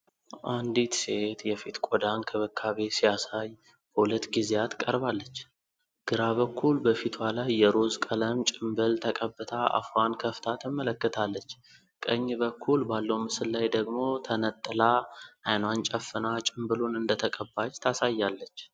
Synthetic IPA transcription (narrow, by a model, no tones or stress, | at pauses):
ʔand̪it̪seet̪jɛfit̪kʼɔd̪ankʰəβəkʰːaβesijasaj | bəhulət̪ɡizejat̪kʼəɾbalːət͡ʃː | ɡ̥ɨɾaβəkːulbəfit̪ʰwalajːɛɾo̞zkʼələmt͡ʃʼɪmbɨlt̪ʰəkʼəbːɨt̪ʰaʔa̰fankʰəft̪ʰat̪ʰɨmːələkːət̪ʰalːət͡ʃː | kʼəɲːbəkʰːulbalːəwmɨsɨlːajd̪əɡmo̞t̪ʰənət̪ʼːɨlaʔajnwant͡ʃʼəfːɨnat͡ʃʼɪmbɨlunɨnd̪ət̪ʰəkʼəbːat͡ʃt̪ʰasajːalːət͡ʃː